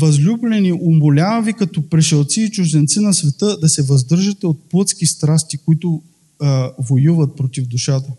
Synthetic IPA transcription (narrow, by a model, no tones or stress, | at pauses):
vɐzlʲublɛniʔombolʲavɐvikɐt̪ɔpɾɛʃɛlˠt̪siːt͡ʃʊzd̪ɛnt̪sinɐsvɛt̪ɤd̪ɐsɛvɐzd̪ɤɾʒɐt̪ɛot̪̚plˠət̪skist̪ɾast̪ikoit̪ʊ | vojuvɐt̪̚pɾot̪ivd̪ʊʃat̪ə